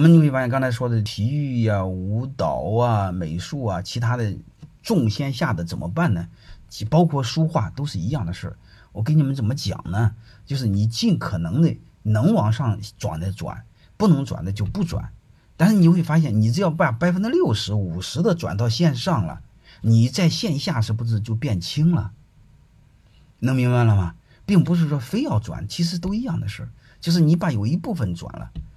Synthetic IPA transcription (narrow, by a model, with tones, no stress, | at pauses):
wɔ˨˩mə˦ni˧xwe˥˩fa˧˥˧kɑ˥ŋt͡sʰa˧˥ɪʂwɔ˥d̪ə˨˩t̪ʰi˧˥y˥˩ɐ˩u˧˥t̪ɑ˨˩ʊɐ˧me˨˩ɪʂu˥˩ɐ˩t͡ɕʰi˧˥t̪ʰa˥d̪ə˨ʈ͡ʂʊ˥˧ŋɕjɛ˥nɕja˥˩d̪ə˩t͡sə˨˩mə̰˦pa˥˩nnə˩ | t͡ɕpɑ˥ʊkʰwɔ˥˩ʂu˥xwa˥˩t̪o˥ʊʂɻ̩˥˩i˧˥jɑ˥˩ŋd̪ə˩ʂ̩˥˩ | wɔ˨˩k̬ə˥ni˨˩mə˧˦nt͡sə˨˩nmə˦t͡ɕjɑ̰˨˩ŋnə˦ | t͡ɕjo˥˧ʊʂɻ̩˥˩ni˨˩t͡ɕi˥˩nkʰɤ˨˩nɤ˧˥ŋd̪ə˧ | nɤ˧˥ŋwɑ˨˩ŋʂɑ˥˩ŋʈ͡ʂwa̰˨˩nd̪ə˧˦ʈ͡ʂwa̰˨˩˦n | pu˥˩nɤ˧˥ŋʈ͡ʂwa̰˨˩nd̪ə˦t͡ɕjo˥˧ʊpu˥˩ʈ͡ʂwa̰˨˩˦n | t̪a˥˧nʂɻ̩˥˩ni˨˩xwe˥˩ɪfa˥ɕ̬jɛ˥˩nni˨˩ʈ͡ʂ̩˥jɑ˥˧ʊpa˨˩pa˥ɪfə˥nʈ͡ʂ̩˥ljo˥˩ʊʂɻ̩˧˥u˨˩ʂɻ̩˧˥d̪ə˧ʈ͡ʂwa̰˨˩nt̪̬ɑ˥˧ʊɕjɛ˥˧nʂɑ˥˩ŋlə̰˩ | ni˨˩t͡sa˥˧ɪɕjɛ˥˧n˧ɕja˥˩ʂɻ̩˧˥pʈ͡ʂɻ̩˧t͡ɕjo˥˧ʊpjɛ˥˩nt͡ɕʰi˥ŋlə̰˨ | nɤ˧˥ŋmi˧˥ŋba˧lə˨mɐ˩ | pi˥˩ŋpu˧˥ʂ̬ɻ̩˥˩ʂwɔ˥fe˥ɪjɑ˥˩ʊʈ͡ʂwa̰˨˩˦nt͡ɕʰi˧˥ʂ̬ɻ̩˧˥t̪o˥ʊi˧˥jɑ˥˩ŋd̪ə˩ʂɻ̩˥˩ | t͡ɕjo˥˧ʊʂɻ̩˥˩ni˧˥pa˧˩jo˨˩ʊi˧˥pu˥˩fə˨˩nʈ͡ʂwa̰˨˩nlə̰˦